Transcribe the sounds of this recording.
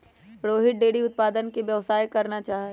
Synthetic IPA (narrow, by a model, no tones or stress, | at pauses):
pɽoːɦɪʈ̚ɖeːɽiʊt̪̚paːd̪ənkibjɐʋsaːjkɐɾnat͡ʃaːɦ